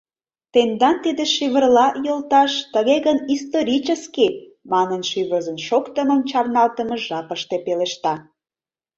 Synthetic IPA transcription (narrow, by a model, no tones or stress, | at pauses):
t̪end̪ɑnt̪id̪eʃiβərlɑjolt̪ɑʃt̪əɣeɣənist̪oɾʲit͡ɕəske | mɑnənʃyβəzənʃokt̪əməmt͡ɕɑrnɑlt̪əməʒɑpəʃt̪epeleʃt̪ɑ